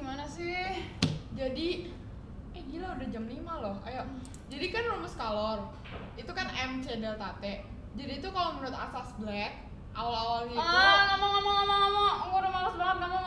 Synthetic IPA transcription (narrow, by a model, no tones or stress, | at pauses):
ɡimanasɪhd͡ʒadi | ɛɡilaudahd͡ʒamlimalɔha̰jaʔ | d͡ʒadikanruməskalɔr | it̪ukanʔɛmt͡ʃedalt̪at̪ɛʔ | d͡ʒadiːt̪ukalomənuat̪a̰sasblɛk̪̚ | ʔalaoaŋiaŋamaŋamaŋamaŋamaɡudamalasblaŋat̪̚ŋama